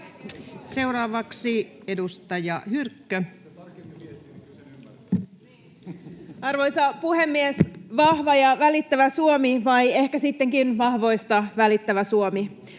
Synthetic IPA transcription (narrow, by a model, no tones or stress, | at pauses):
se̞uɾɑːʋɑksie̞dust̪ɑjɑhyrkːø | ɑrʋo̞jsɑpuhe̞mːiesʋɑhʋɑjɑʋælit̪ːæʋæsuomiʋɑje̞hkæsit̪ːe̞ŋkinʋɑhʋo̞jst̪ɑʋælit̪ːæʋæsuomi